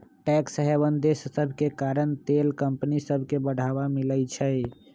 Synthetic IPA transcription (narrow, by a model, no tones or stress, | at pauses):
ʈɛksəɦɛbənd̪esːəbʱkekaɾənt̪elkəmpnisəbʱkebəɽ̤ʱaβamilət͡ʃʰəj